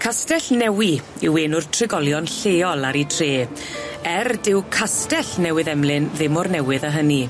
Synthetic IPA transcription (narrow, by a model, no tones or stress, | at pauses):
kʰastɛɬnɛwi | ɪweːnʊr̥tʰrɪɡɔlˠjɔnɬeːɔlˠaɾitʰreː | ɛrdɪwkʰastɛɬnɛwɨðɛmlɨnðɪmɔrnɛwɪðəɦəni